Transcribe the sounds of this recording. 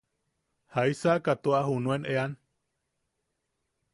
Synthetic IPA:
haisaʔkat̪oahunũenʔean

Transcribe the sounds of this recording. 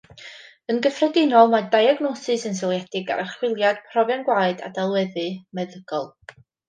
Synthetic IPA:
ənɡəfrɛdɪnɔlˠmadajaɡnɔsɨsəns̬ɪlˠjɛd̥ɪɡa̰ɾʔaχwɪlˠjad̥pʰrɔvjanɡwaːɨda̰dalˠwɛðɨmɛðəɡ̥ɔlˠ

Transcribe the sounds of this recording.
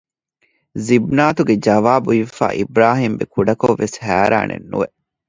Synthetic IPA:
zibnaːt̪uɡed͡ʒɐʋaːbuifa̰ːʔibɾaːɦiːmbekuɖɐkoʋːeshæːɾa̰ːnḛnːṵʋeʔ

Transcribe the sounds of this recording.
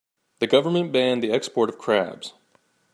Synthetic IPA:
ðɨɡʌvə˞mɨ̃nb̥æ̃nðiɛkspɔɹɾʌv̥kʰɹ̥æ̰bz̥

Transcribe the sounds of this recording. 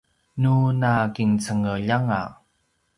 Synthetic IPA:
nunakiŋt͡səŋəʎaŋa̰

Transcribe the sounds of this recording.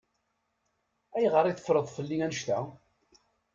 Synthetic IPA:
æjʁəɾˤiθə̥fɾəðˤfəlːiænəʃt̪æ

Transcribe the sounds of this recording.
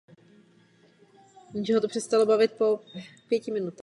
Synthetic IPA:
imʒɛɦot̪opr̥ɛst̪alobavɪt̪̚po̞pjɛcɪmɪnut̪a

